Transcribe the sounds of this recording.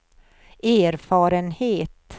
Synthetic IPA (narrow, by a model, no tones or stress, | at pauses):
æːɾfɑːɾənheːt̪